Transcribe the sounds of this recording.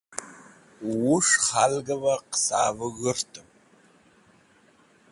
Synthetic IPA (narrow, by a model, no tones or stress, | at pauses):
wʊʂχalɡɐvɐqə̥sa̰ːvɨɣɨrtʰɨm